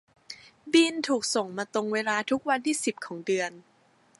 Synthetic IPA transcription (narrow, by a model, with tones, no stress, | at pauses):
bi˧nt̪ʰuː˨˩k̚so˨˩ŋmaː˧t̪o˧ŋweː˧laː˧t̪ʰu˦˥k̚wa˧nt̪ʰiː˥˩si˨˩p̚kʰɔː˩˦ŋdɯ˧ən